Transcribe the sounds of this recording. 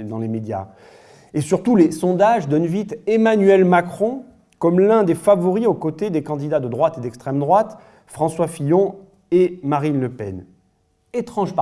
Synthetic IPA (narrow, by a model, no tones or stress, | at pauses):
d̪ɑ̃lemed̪ja̰ | esyʁt̪ulesɔ̃d̪aʒd̪ɔnvit̪emanɥɛlmakχɔ̃ | kɔmlɛ̃d̪efavɔʁiokot̪ed̪ekɑ̃d̪id̪ad̪əd̪ʁwat̪ed̪ɛkst̪χɛmd̪ʁwat̪ | fχɑ̃swafijɔ̃ | emaʁinləpɛ̰n | et̪χɑ̃ʒp